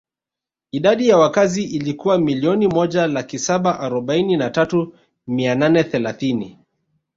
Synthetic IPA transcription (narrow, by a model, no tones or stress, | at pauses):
iɗaɗijawakaziʔilikuwamiliɔnimɔʄalakisaɓaʔaɾɔɓaininatatu | miananɛθɛlaθini